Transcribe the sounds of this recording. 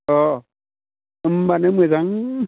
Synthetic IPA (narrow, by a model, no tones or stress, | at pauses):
ɔ | mbanemezaŋ